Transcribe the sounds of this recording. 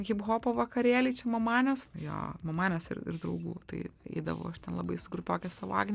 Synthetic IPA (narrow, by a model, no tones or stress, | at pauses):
kʲɪpɣoːpoʋɐkɐɾʲeːlʲiːt͡ʃʲɛmɐmɑːnʲɛsjo̰ːmɐmɑːnʲɛsɪ̰rɪ̰rd̪ɾɐʊɡuːt̪ɐ̰ɪɛ̰ɪd̪ɐ̰ʋɐ̰ʊɐʃt̪ʲɛnlˠɐbɐɪsʊɡɾʊpʲoːkʲɛssɐʋɑ̰ːɡʲnʲ